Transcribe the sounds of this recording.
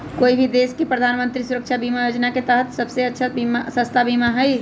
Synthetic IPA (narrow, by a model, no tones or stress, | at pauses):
koːibʱid̪eːskipɾəd̪ʱaːnmə̃nt̪ɾisuɾəkʃʰabiːmajoːd͡ʒnaket̪əɦət̪sɐbseɐtːʃʰabimasə̃st̪ʰabiːmaɦɛi